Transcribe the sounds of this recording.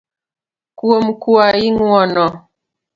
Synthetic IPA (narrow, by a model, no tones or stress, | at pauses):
kuomkuajiŋwɔnɔ